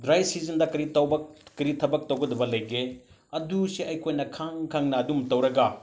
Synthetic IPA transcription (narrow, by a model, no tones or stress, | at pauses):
dɾajsizɐndɐkɐɾitɐwbɐkɐɾitʰɐbɐk̚tɐwɡɐdɐbɐlɐjɡe | ɐdusiɐjkʰojnɐkʰaŋkʰaŋnɐːdumtɐwɾɐɡɐ